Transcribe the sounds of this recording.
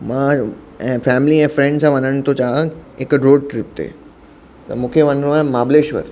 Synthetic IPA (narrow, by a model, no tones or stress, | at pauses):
mã | ɛ̃fɛːmliɛ̃ːfɾɛ̃ɳɖsãʋɐnəɽ̃t̪ʰot͡ɕaːekɾoːɖʈɾɪp̚t̪ʰḛː | t̪ɐmũːkʰeʋɐ̃nɾũaɛ̃maːbleːʃʋə̰ɾ